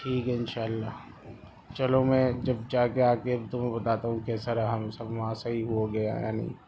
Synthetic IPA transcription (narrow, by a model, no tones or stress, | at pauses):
ʈʰiːkɛɪnʃaːlːaː | t͡ʃɐlomɛ̃ːd͡ʒɐbd͡ʒaːkeaːkebt̪ʊmẽbɐt̪aːt̪aːɦũkɛːsɐɾaɦɐmsɐbmãːsaɦiɦuaɡɐja̰ja̰ːnḭː